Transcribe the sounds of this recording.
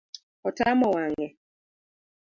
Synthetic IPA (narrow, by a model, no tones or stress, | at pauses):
ɔtamɔwaŋɛ